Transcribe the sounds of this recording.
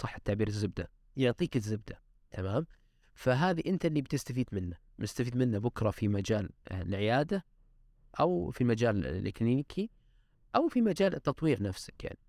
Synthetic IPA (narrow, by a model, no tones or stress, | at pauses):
sˤɑħːt̪ːaʕbiːɾɪzːɪb̚d̪a | jʊʕt̪ˤiːkɪzːɪb̚d̪a | t̪ʰamaːm | faɦaːðiʔɪnt̪aʔɪlːib̚t̪ɪst̪afiːd̪mɪnːa | mɪst̪afiːd̪mɪnːabʊkɾˤɑfimad͡ʒaːllʕɪjaːd̪a | ʔawfimad͡ʒaːllʔɪ̰kliːnɪkʰi | ʔawfimad͡ʒaːlt̪ːɑt̪ˤwiːɾnafsɪ̥kja̰ʕni